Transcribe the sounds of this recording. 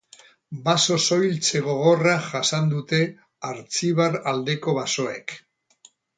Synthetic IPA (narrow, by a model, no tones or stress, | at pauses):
baso̞so̞jlt͡se̞ɣo̞ɣ̞o̞raʝasand̪ut̪e̞ | aɾt͡siβ̞aɾald̪e̞ko̞βaso̞e̞̰k